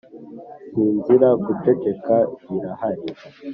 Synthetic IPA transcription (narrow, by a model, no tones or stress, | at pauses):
siːnziɾaɡute̞ke̞kaβiɾahaɾi